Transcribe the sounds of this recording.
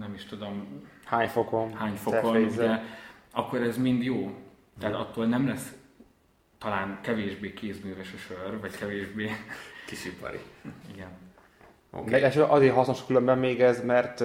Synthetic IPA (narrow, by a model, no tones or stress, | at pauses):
nɛmiʃt̪ud̪o̞mhaːɲfokonhaːɲfokouɟɛɒkːo̞ɾɛzmind̪joː | t̪ɛːt̪ɒt̪ːoːlnɛmlɛs | t̪ɒlaːnkɛveːʒbeːkeːzmyːvɛʃøʃørvɒckɛveːʒbeːkiʃipɒ̰ɾḭiɡɛn | o̰ːkeɛʃøʔɒzeːɾɦɒsnoʃkylømbɛmːeːɡɛzmɛrt̪